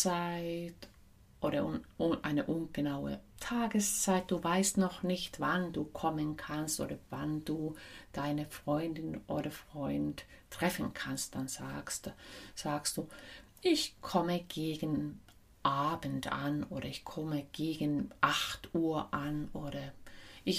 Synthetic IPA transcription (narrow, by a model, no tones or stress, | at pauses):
t͡saɪt | ʔoːɾɐʔʊʊʔaɪnəʔʊnɡ̥ənaʊə̰tʰaːɡəst͡saɪt̚d̥uːvaɪstnɔχnɪçtv̥anduːkʰɔmənkʰanstʔo̰ːdɐvand̥uːd̥aɪnəfʁ̥ɔʏndɪnʔo̰ːɾɐfʁ̥ɔʏnttʁ̥ɛfn̩kʰanst̚d̥anz̥a̰ːkstz̥aːkstd̥uː | ʔɪçkʰɔməɡ̥eːɡən | ʔaːbən̩tʔa̰nʔoːɾɐɪçkʰɔməɡ̥eːɡənʔaχtʔuːɐʔanʔoːɾɐʔɪç